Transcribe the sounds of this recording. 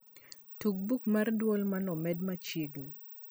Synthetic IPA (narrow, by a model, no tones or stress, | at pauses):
tuk̚bukmardwɔlmanɔmɛdmat͡ʃjeɡni